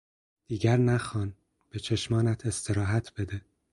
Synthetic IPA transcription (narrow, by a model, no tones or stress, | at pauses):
d̪̥iːɟæɾnæxɒːn | b̥et͡ʃʰe̞ʃmɒːnæt̪ʰest̪ʰeɾɒːɦæt̪ʰb̥e̞d̪e